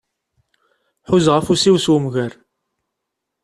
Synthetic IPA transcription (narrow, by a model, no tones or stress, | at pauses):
ħuzʁəfusiwswəmʝæɾ